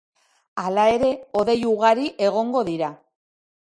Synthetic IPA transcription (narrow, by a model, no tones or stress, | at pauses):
alae̞ɾe̞o̞ðe̞juɣaɾiʔe̞ɣ̞o̞ŋɡo̞ðiɾa